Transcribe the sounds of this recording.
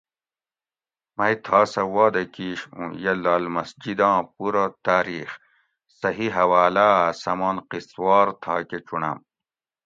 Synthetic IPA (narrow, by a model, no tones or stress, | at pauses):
mɐjt̪ʰɑːsɐwɑːd̪ɐkiːɕũjɐlaːlmɐsd͡ʑid̪ɑ̃ːpuɾat̪aːɾiːx | sɐɦiɦɐwaːlasɐmɑːnqiswɑːɾt̪ʰaːket͡ɕuɳɐ̰m